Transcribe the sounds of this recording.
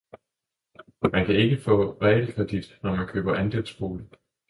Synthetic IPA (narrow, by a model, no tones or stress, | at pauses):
mænkʰæe̝ɡ̥əfɔ̰̽ːʁɛlkʰʁɛd̥id̥nɒmænkʰø̰ːb̥ɐʔænd̥elsb̥ʁo̝ːlə